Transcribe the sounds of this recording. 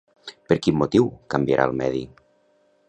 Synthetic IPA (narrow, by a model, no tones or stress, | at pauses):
pəɾkimːot̪iwkəmbjəɾʔa̰lˠmɛði